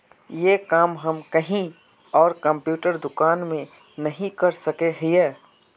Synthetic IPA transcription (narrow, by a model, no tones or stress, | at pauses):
jeːkaːmɦɐmkɐɦĩ | ɔːɾkɐ̃mpjuːʈəɾd̪ʊkaːnmẽ | nɐɦĩkɐɾsɐkeɦiɛː